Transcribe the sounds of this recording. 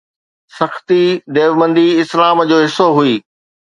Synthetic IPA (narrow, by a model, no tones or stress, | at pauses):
sɐxt̪id̪eːʋmə̃nd̪iɪslaːmd͡ʑoːɦɪsoɦuiː